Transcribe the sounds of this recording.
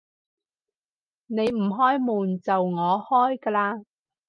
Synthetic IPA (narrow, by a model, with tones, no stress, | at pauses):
ne˨˧jm̩˨˩ɦɔː˥jmuː˨˩nt͡sɐ˨wŋɔː˨˧hɔː˥jkɐː˧laː˧